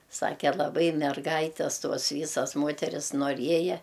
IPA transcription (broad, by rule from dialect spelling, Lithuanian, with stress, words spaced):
ˈsɑːkʲɛ lˠɐˈbɐɪ mʲɛrˈɡɐɪtʲɛs ˈtoːs ˈʋʲiːsɐs ˈmoːtʲɛrʲɪs noːˈrʲiɛjɛ